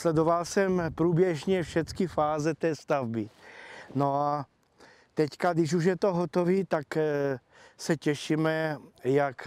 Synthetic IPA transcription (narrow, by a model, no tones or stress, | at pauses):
slɛd̪ovalsɛmpɾuːbjɛʒɲɛfʃɛt͡skɪfaːzɛt̪ɛːst̪avbɪnoa | t̪ɛckad̪ɪʃuʒjɛt̪oɦot̪oviːt̪ak | sɛcɛʃimɛjak